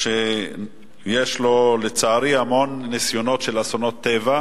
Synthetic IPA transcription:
ʃe | jeʃlo̞let͡saːɾiamo̞nːisjo̞no̞tʃelasono̞t̪ːeva

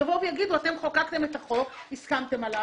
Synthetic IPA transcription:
avovjaɡid̪uat̪e̞mχokakt̪e̞met̪aχo̞iskamt̪e̞mala

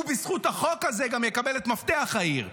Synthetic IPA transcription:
ubisχuthaχo̞kazeɡamjekabelet̪mafteaχaiʁ

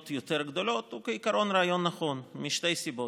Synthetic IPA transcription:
t̪jot̪eɾɡd̪o̞lo̞t̪ukeikaɾo̞nɾeajo̞nːaχo̞nmiʃt̪e̞jsibo

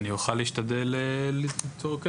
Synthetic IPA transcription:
nijuχaliːʃtad̪elet̪ʰoʁke

